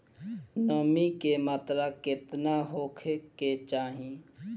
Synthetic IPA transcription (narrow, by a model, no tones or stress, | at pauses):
nəmikemaːt̪ɾaket̪naɦokʰeket͡ʃaːɦĩ